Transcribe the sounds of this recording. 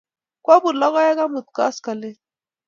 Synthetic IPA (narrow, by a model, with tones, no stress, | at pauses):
kwa˦bu˨ɾla˦ɣa˦ja˦ɡa˦mu˨t̪̚ka̰˦ska˨le˦